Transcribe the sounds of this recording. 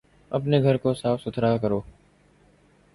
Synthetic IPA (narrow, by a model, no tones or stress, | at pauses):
əpneːɡʱəɾkoːsaːfsʊt̪ʰɾaːkəɾoː